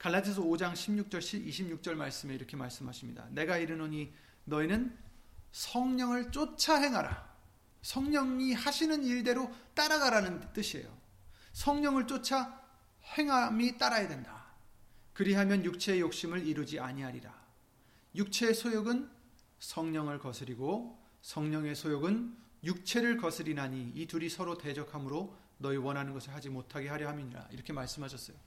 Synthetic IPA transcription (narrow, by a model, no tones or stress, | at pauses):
kaɭːad͡ʑʰisʰʌod͡ʑaŋɕʰimɲuk̚t͡ɕ͈ʌɭɕʰibiɕʰimɲuk̚t͡ɕ͈ʌɭmaɭs͈ɯmeiɾʌkʰe̞ma̰ɭs͈ɯmɦaɕʰimɲḭda̰ne̞ɡaiɾɯnoɲi | nʌinɯn | sʰʌŋɲʌŋɯɭt͡ɕ͈ot͡ɕʰaɦe̞ŋɦaɾa̰ | sʰʌŋɲʌŋihaɕʰinɯniɭde̞ɾot͈aɾaɡaɾanɯnt͈ɯɕʰie̞̰jo̰ | sʰʌŋɲʌŋɯɭt͡ɕ͈ot͡ɕʰa | he̞ŋɦamit͈aɾajadwenda | kɯɾiɦamjʌnjuk̚t͡ɕʰe̞ːjok̚ɕ͈imɯɭiɾud͡ʑiaɲiɦaɲiɾa | juk̚t͡ɕʰe̞ːsʰojoɡɯn | sʰʌŋɲʌŋɯɭkʌsʰɯɾiɡo | sʰʌŋɲʌŋe̞sʰojoɡɯnjuk̚t͡ɕʰe̞ɾɯɭkʌsʰɯɾinaɲiituɾisʰʌɾote̞d͡ʑʌkʰamɯɾo | nʌiwʌnɦanɯnɡʌsʰɯɭɦad͡ʑimotʰaɡe̞ɦaɾjʌɦamiɲiɾa̰ḭɾʌkʰe̞maɭs͈ɯmɦaɕʰʌs͈ʌjo